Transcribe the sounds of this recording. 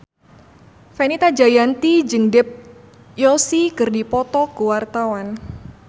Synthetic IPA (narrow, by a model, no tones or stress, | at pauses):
fenit̪ad͡ʒajant̪id͡ʒɨŋdɛp̚ | jɔsikɨrdipɔt̪ɔkuwart̪awan